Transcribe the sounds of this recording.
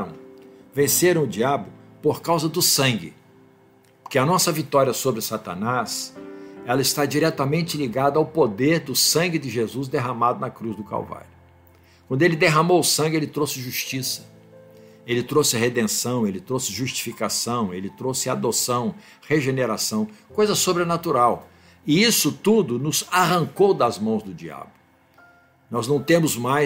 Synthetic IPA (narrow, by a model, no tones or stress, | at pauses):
ɾɐ̃w̃vẽseɾɐ̃w̃ʊd͡ʒiabʊpoɾkawzɐd̪ʊsɐ̃ɡɪ | poɾkeɐnɔsɐvit̪ɔɾiɐsobɾɪsat̪ɐ̰nas | ɛlɐɪst̪ad͡ʒiɾɛt̪ɐmẽnt͡ʃɪliɡad̪ɐawpod̪eɾd̪ʊsɐ̃ŋɡɪd̪ɪʒezuzd̪eɦɐmad̪ʊnɐkɾuzd̪ʊka̰wva̰ɾʊ | kwɐ̃nd̪ʊelɪd̪eɦɐmowʊsɐ̃ŋɡʲɪelɪt̪ɾowsɪʒuʃt͡ʃisɐ̥ | elɪt̪ɾowsɪɦed̪ẽsɐ̃w̃elɪt̪ɾowsɪʒuʃt͡ʃi̥fikasɐ̃w̃elɪt̪ɾowsɪad̪osɐ̃w̃ | heʒeneɾasɐ̃w̃kojzɐsobɾenat̪uɾaw | ɪisʊt̪ud̪ʊnʊzaɦɐ̃ŋkowd̪ɐzmɐ̃w̃zd̪ʊd͡ʒia̰blʊ | nɔznɐ̃w̃t̪ẽmʊzmaj